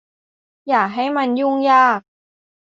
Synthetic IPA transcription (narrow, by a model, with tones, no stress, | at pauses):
jaː˨˩k̚ɦa˥˩jma˧njuː˥˩ŋjaː˥˩k̚